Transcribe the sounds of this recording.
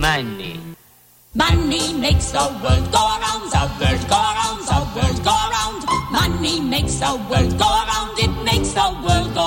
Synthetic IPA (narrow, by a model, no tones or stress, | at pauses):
mnḭ | manimeɪksoəwɜ˞lˠdɡoʊəɹãʊ̃ndəwɜdɡoʊəɹãʊ̃ndəwɜdɡoʊəɹãʊ̃ndmanːimeɪksəwɜdɡoʊəɹãʊ̃ndɪt̚meɪksəwɜlˠdɡ